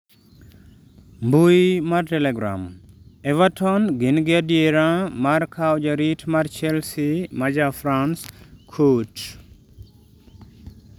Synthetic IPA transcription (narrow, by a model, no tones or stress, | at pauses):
mbujmartɛlɛɡɾa̰mɛvatʰɔnɡɪnɡeadjeɾãmaɾkʰawd͡ʒaɾitmart͡ʃɛlsimad͡ʒafɾanskʰut